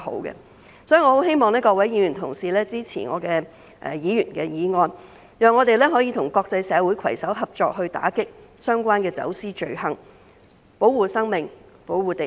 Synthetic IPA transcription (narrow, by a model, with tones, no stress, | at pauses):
ho̰˨˥wkɛ̰˧ | sɔː˨˥ji˨˩ŋɔː˨˧o˨˥whe˥jmɔː˨ŋnlɛː˥kɔː˧k̚wɐ˨˥jiː˨˧jyː˨˩nt̪ʰʊ˨˩ŋsiː˨˩lɛː˥t͡siː˥t͡sʰḭː˨˩nŋɔ̰ː˨˧kɛː˧ | ʔɛ˨jiː˨˧jyː˨˩nkɛː˧jiː˨˧ŋɔː˧n | jœː˨˩ŋɔː˨˧t̪e˨jlɛː˥ɦɔː˨˥jiː˨˧t̪ʰʊ˨˩ŋkɔː˧k̚t͡sɐ˧jsɛː˨˧wu˨˥jkʰɐ˨˩jsɐ˨˥wɦɐ˨p̚t͡ʃt͡sɔː˧k̚ɦɵ˧ɥt̪a̰ː˨˥kɪ˥k̚ | sœː˥ŋkʷaː˥nkɛː˧t͡sɐ̰˨˥wsiː˥t͡ʃɵ˨˩ɥhɐ˨˩ŋ | po˨˥wwuː˨sɐ˥ŋmɪ˨ŋpo˨˥wuː˨˩t̪e˨